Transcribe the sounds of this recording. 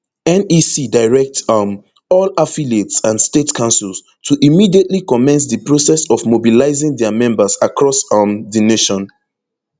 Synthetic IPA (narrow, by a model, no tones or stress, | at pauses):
ɛ̃nisidaɪɹɛk̚tm | ɔlafiletsãnstetkʰãnsils | tʰuʔimidietlikɔmɛ̃ns̬ðəpɹosɛsɔvmobilaɪzɪ̃ŋdɛəmɛ̃mbəsakɹɔsmðineʃɔ̃n